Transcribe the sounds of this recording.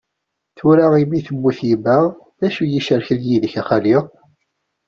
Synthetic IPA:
θuɾaʁimiθəmːiθjimæʁ | ðæʃujiʃəɾçəljiðəçæχæliʁ

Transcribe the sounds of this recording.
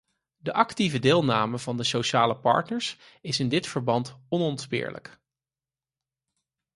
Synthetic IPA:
dəʔɑktivədɪːlˠnaːməvɑndəsowʃaːləpɑ̰ɹtnəɹs | ɪsɪndɪtfəɹbɑntɔnɔntspɪ̰ːɹlə̰k

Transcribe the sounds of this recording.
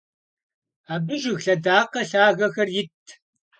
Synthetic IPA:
aːbɨʒɪɣɬɐdaːqɐɬaːɣɐxɐrjɪtʰː

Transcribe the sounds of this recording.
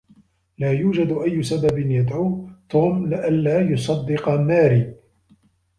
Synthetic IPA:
laːjuːd͡ʒad̪ʔajːʊsababɪnjad̪ʕuːt̪uːmlɪʔanːaːjʊsˤɑd̪ːɪqɑnːaːɾiː

